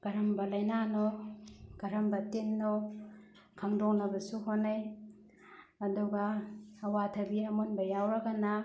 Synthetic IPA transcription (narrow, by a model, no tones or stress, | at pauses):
ɡ̥ɐɾɐmbɐlɐjnanɔ | ɡ̥ɐɾɐmbɐtenːɔ | kʰɐŋdoŋnɐbɐsuɦonaj | ɐduɡaːwatʰɐbiɐmonbɐjawɾɐɡana